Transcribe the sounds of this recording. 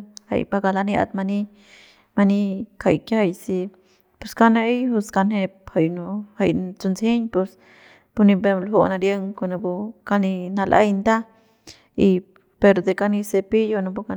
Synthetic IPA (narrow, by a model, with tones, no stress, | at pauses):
ha̰˨jba˧ɡa˧la˧nja̰˧d̪ma˧ni˦ | ma˧ni˦kʰa˧˨jke˦a˧˨jsi˧ | pu˧ska˦ne˧jhu˧ska˧ne˧p̚ha˨jnu˧ha̰˧jt͡su˧nsi˦ɲpu˧s | pu˧ni˧be˧mlho˧˨na˧ɾje˦ŋko˧na˧bu˧ka˧ni˧na˧lʔa̰˦jnd̪a˦ | i˧ | pe˧ɾd̪e˧ka˧ni˧se˧pi˦jo˧na˧bu˧˦ka˧